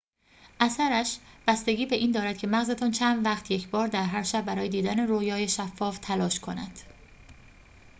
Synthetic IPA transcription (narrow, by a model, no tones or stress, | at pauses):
ʔæsæɾæʃb̥æst̪e̞ɟiːbe̞ʔiːnd̪ɒːɾæd̪̚cʰe̞mæɣzet̪ʰɒːnt͡ʃʰænd̪væχt̪ʰje̞cʰbɒːɾd̪æɾɦæɾʃæbːæɾɒːjed̪iːd̪æneroːjɒːje̞ʃæfːɒːft̪ʰælɒːʃkʰo̞næ̰d̪̥